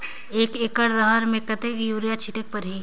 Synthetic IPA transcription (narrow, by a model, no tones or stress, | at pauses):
eːkeːkəɽɾəɦəɾmẽkət̪ekjuːɾijat͡ʃʰiʈək̚pəɾɦi